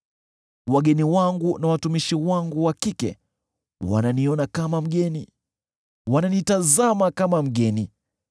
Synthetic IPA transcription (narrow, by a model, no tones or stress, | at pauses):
waɠɛniwaŋɡunawatumiʃiwaŋɡuwakikɛ̰ | wa̰naniɔnakamam̩ɠɛni | wananitazamakamam̩ɠɛni